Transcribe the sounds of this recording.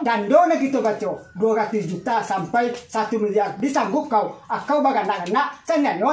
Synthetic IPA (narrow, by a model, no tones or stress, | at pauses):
dandonakitobat͡ʃodoɡatisd͡ʒutasampajsatumidiabisaŋɡukːawakːawbaɡanakanasanɛnɔ